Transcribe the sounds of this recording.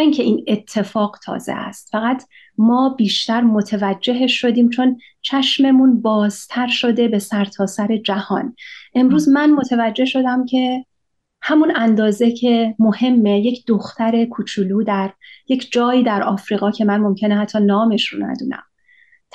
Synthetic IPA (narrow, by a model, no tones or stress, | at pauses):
iŋcʰeʔiːne̞t̪ʰːe̞fɒːɡt̪ʰɒ̰ːzḛʔæ̰st̪fæɣæt̪ʰ | mɒːbiːʃt̪æɾmo̞t̪ʰevæd͡ʒːe̞ɦeʃːo̞d̪iːmt͡ʃʰo̞n | t͡ʃʰæʃme̞munbɒːz̥t̪ʰæɾʃo̞d̪e̞be̞sæɾt̪ʰɒːsæɾe̞d͡ʒæhɒ̰ːnʔe̞mɾuːzmænmo̞t̪ʰevæd͡ʒːe̞hʃo̞d̪æmcʰe̞ | hæmunænd̪ɒːze̞cʰe̞mo̞he̞mːeje̞cʰd̪̥oxt̪æɾe̞kʰut͡ʃʰuluːd̪æɾje̞cʰd͡ʒɒːjiːd̪æɾɒːfɾiːɣɒːcʰe̞mænmo̞mcʰe̞nehæt̪ʰːɒːnɒːme̞ʃɾonæ̰d̪ṵːnæ̰mʰ